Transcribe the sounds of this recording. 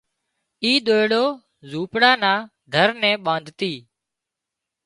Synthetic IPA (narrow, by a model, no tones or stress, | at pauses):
iːɗ̪oːeɽoː | zuːpɽaːnaː | d̪ʱəɾnɛ̃ːɓãːnd̪ʱt̪iː